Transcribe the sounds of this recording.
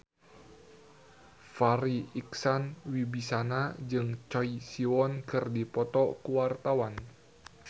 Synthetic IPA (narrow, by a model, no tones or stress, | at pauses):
faɾiiksanwibisanad͡ʒɨŋt͡ʃɔisiwɔnkɨrdipɔt̪ɔkuwart̪awan